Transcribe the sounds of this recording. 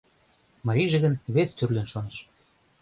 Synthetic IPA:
mɑɾʲijʒĕɣənβest̪yrlĕnʃonə̆ʃ

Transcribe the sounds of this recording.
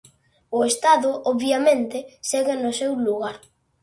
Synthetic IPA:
ʊest̪aðʊʔɔβjamẽnt̪ɪseɣɪnʊsewluɣaɾ

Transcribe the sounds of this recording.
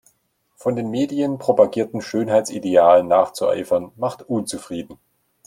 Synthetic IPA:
fɔndeːnmeːdiənpʁ̥opaɡiːɐtn̩ʃøːnɦaɪtt͡sʔideaːlənːaːχt͡suʔa̰ɪfɐnmaχtʔunt͡sufʁ̥iːdn̩

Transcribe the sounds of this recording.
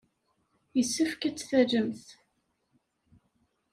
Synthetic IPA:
jəsːəfkæt͡sːθæd͡ʒəmθ

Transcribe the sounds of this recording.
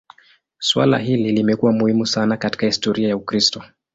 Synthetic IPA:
swa̰la̰ɦililimɛkuwamuhimusanakati̥kahistɔɾiajaukɾistɔ

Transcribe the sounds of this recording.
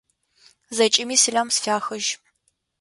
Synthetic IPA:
zɐt͡ʃʼɪmiːsɨɮɐmsfʲaːxɨʒ

